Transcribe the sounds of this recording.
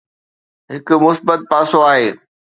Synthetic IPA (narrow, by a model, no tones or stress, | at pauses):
ɦɪkʊ̆mʊsbət̪̚paːsoaːɦeː